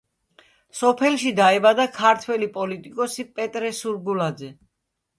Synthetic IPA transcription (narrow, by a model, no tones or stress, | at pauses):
sɔpʰɛlˠʃid̪aɛbad̪akʰaɾt̪ʰwɛlipʼɔlit̪ʼikʼɔsipʼɛt̪ʼɾɛsuɾɡulad̪zɛ